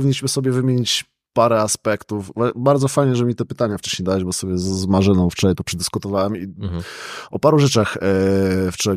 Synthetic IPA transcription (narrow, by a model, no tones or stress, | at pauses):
vʲiɲʲːiɕmɘsɔbʲjɛvɘmʲjeɲit͡ɕ | paɾɛaspɛkt̪ufvabaɾd̪zɔfajɲɛʐɛmʲit̪ɛpɘt̪aɲaft͡ʂɛɕɲejd̪awɛd͡ʑbɔsɔbʲjɛzmaʐɘnɔ̃w̃ft͡ʂɔajpɔpʂɛd̪ɘskut̪ɔvawɛmi | ɔpaɾuʐɛt͡ʂax | ft͡ʂɔ